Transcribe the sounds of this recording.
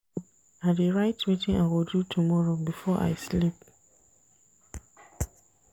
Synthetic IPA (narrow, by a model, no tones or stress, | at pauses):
adeɹaɪtmitɪ̃nawɪdutʰumɔɹobifɔʔa̰ɪslip